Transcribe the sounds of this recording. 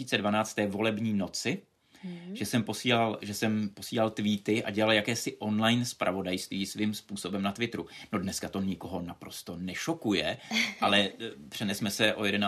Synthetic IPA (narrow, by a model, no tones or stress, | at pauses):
iːt͡sɛdvanaːt͡st̪ːɛːvo̞lɛbɲiːno̞t͡sɪ | ʒɛsɛmpo̞siːlalʒɛsɛmpo̞siːlalt̪viːt̪ɪʔa̰ɟɛlaljakɛːsɪʔo̞nlajnspɾʔa̰vo̞dajst̪viːsvɪmspuːso̞bɛmnat̪vɪt̪ɾunodnɛskat̪o̞ɲɪko̞ɦo̞napɾo̞st̪o̞nɛʃo̞kujɛʔalɛpr̝̥ɛnɛsmɛsɛʔo̞jɛdɛna